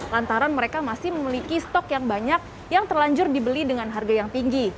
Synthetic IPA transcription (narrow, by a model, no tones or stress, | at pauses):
lant̪aɾanməɾekamasɪhməmilikist̪ɔkjaŋbaɲak̚ | jaŋt̪ərlaɲd͡ʒʊrdibəlidəŋanɦarɡajaŋt̪iŋɡi